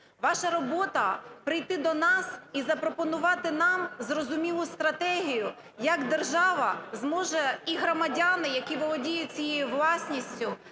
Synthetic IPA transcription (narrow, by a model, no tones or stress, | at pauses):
ʋɑʃɐɾɔbɔt̪ɐpɾɪjt̪ɪd̪ɔnɑsizɐpɾɔpɔnʊʋɑt̪ɪnɑmzrɔzʊmʲilˠʊst̪ɾɐt̪ɛɦʲijʊ | jɐɡd̪erʒɑʋɐzmɔʒɛiɦɾɔmɐdʲanɪjɐkʲiʋɔlˠɔdʲijʊt͡sʲijejuʋlˠɑsʲnʲisʲtʲʊ